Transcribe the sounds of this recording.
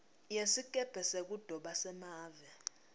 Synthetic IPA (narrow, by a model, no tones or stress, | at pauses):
jesikʼɛb̥ʱɛsek̬ʼud̥ʱɔɓasɛmaːvɛ